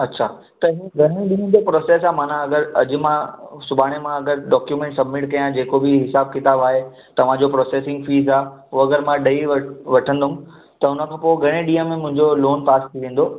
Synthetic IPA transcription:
ɐtːɕʰaː | t̪ɐɦiɡʱɐɽ̃ẽɗiːə̃nd͡ʑopɾoːseːs̬aːmaːnãɐɡəɾɐd͡ʑʊ̆mãsʊbʱaːɽ̃emãɐɡəɾɖɔːkjumẽɳʈsɐbmɪʈkɐjãd͡ʑeːkobɪɦɪsaːb̚kɪt̪aːbaːɦe | t̪ɐʋ̤ãd͡ʑopɾoːseːsɪ̃ŋɡfiːzaːɦɦuɐɡəɾmãɗɐiʋɐʋɐʈʰə̃nd̪ʊũ | t̪ɐʊnə̆kʰãːpoːɡʱɐɽ̃ẽɗiːə̃mẽmʊ̃ɦɪ̃ɲd͡ʑoloːnpaːst̪ʰiʋẽːnd̪oː

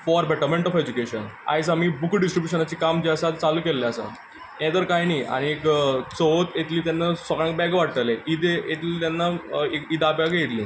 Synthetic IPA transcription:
fɔɾbɛʈəɾmẽɳʈɔfed͡ʑukeɕəna̰jsamiːbukɖisʈɾibjuɕənat͡ɕiːkamd͡ʑiasat̪t͡saluːkelːeasə̰ | ẽd̪əɾkajniːʔa̰ɽ̃iekt͡soɦot̪jet̪liːt̪anːasɔkɽãk̚bɛɡʋaɽ̚t̪əleid̪eet̪liːt̪janːaekid̪abjaɡjet̪lḭː

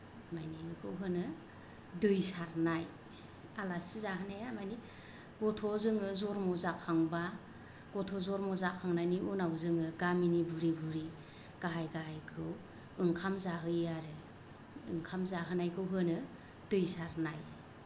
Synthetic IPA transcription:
majnimɯkʰɯwɦɯnɯ | dɯjsaɾnaj | alasizaɦɯnejamani | ɡ̥ɔtʰɔzɯŋɯzɔɾmɔzakʰaŋba | ɡ̥ɔtʰɔzɔɾmɔzakʰaŋnajniunawzɯŋɯɡaminibuɾibuɾi | ɡ̥aɦajɡaɦajkʰɯw | ɯŋkʰamzaɦɯjaɾɯ | ɯ̰ŋkʰamzaɦɯnajkʰɯwɦɯnɯ | d̥ɯjsaɾnaj

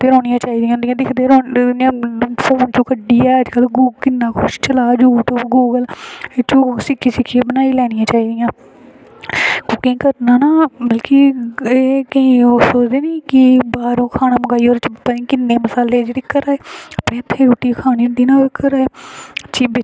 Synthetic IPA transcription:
t̪eːɾõːnɪjãːt͡ʃaːiːd̪ijãːnd̪ijãːd̪ɪkʰd̪eːɾoːãːpʰoːnt͡ʃõːkəɖːiːɛːəd͡ʒkəlɡuːkɪnːãːkʰʊʃt͡ʃəlaːd͡ʒuːʈoɡuːɡəlet͡ʃõːsɪkʰːiːsɪkʰːieːbənaːiːlɛːnijãːt͡ʃaːiːd̪ijãː | kõkɪĩːkəɾnaːnaːbəlkiːeːkəĩːoːsoːd͡ʒd̪eːniːkɪbaːɾõːkʰaːnãːməɡaːiːoːɾt͡ʃpəɾĩːkɪnːeːməsaːleːd͡ʒeːɽeːkəɾaːeːəːpɽẽːət̪ʰːeːɾuːʈiːkʰaːniːnd̪iːnãːoekəɾaːeət͡ʃʰiːbɪ

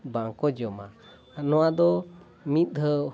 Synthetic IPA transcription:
baŋkɔd͡ʒɔma | nɔwad̪ɔ | mit̪̚ɦə

